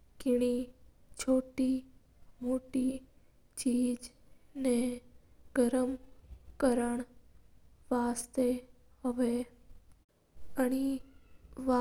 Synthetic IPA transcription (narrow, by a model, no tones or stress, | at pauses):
kɪɽ̃i | t͡ʃʰoːʈi | moːʈi | t͡ʃiːd͡ʒne | ɡəɾəmkəɾəɽ̃ | ʋaːst̪e | ɦoʋe | əɽ̃i | ʋa